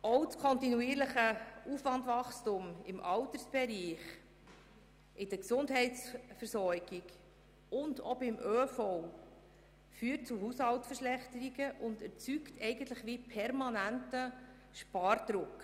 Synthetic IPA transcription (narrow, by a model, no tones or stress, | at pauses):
ɔwtkʰɔntinuiːɾləχəuːfʋɑndvɑχstumɪmʔɑlt̪əɾsb̥ɛɾiːχ | ʔɪdəksʊndɦɛɪt͡sfəɾsɔɾɡ̥iɡ | ʊndɔbɪmʔøːfɔw | fyːt̚t͡suɦuːshɑltsfəɾʃlɛχt̪əɾiɡəʔʊndɛɾt͡syktʰɛɪɡəntləχʋipʰɛɾmɑnæntə | ʃpɑːrd̥̪ɾʊk